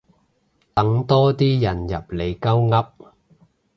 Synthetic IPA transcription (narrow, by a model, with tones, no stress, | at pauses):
t̪ɐ˨˥ŋt̪ɔː˥t̪iː˥jɐ˨njɐ˨˩p̚le˨˧jkɐ˥wŋɐ˥p̚